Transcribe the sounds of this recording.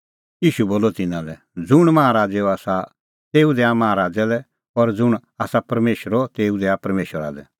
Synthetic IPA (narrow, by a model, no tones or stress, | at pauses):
jiːʃuboːlɔt̪ɪnãlɛ | d͡zʊɽ̃mɐɦãɾaːd͡zɛɔaːsa | t̪eːud̪ɛamɐɦãɾaːd͡zɛlɛ | ɔɾd͡zʊɽ̃aːsapɐɾmeːʃəɾɔt̪eːud̪ɛapɐɾmeːʃəɾa̰lɛ